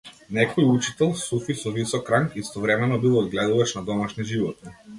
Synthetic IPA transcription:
nɛkɔjut͡ʃit̪ɛlˠsufisɔvisɔkːɾaŋkist̪ɔvɾɛmɛnɔbilˠɔd̪̚ɡlɛd̪uvaʃnad̪ɔmaʃniʒivɔt̪̚ni

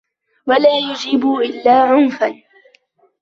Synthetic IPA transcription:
walaːjʊd͡ʒɪbuːʔɪlːaːʕʊnfan

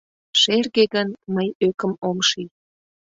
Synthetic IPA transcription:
ʃerɣeɣənməjøkə̆momʃij

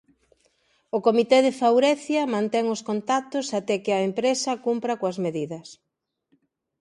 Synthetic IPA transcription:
ʊkomit̪eðɪfawɾɛθjɐmãnt̪ɛŋʊskont̪at̪ʊsat̪ɛkɪɐempɾesɐkumpɾɐkoɐzmeðiðɐs

